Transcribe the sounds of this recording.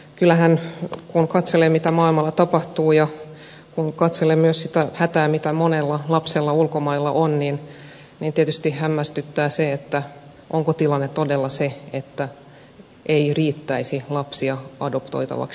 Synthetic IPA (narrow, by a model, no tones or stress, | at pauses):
kylːæhænkunkɑt̪selemmit̪æmɑːilmɑlːɑt̪ɑpɑht̪uːjɑ | kunkɑt̪selemmyøssit̪æhæt̪æːmit̪æmonelːɑlɑpselːɑulkomɑilːɑʔonniːn | niːnt̪iet̪yst̪ihæmːæst̪yt̪ːæːseet̪ːæ | ʔoŋkot̪ilɑnːett̪odelːɑseet̪ːæ | ʔeiriːt̪ːæisilɑpsiɑɑdopt̪o̰it̪ɑ̰ʋɑ̰ks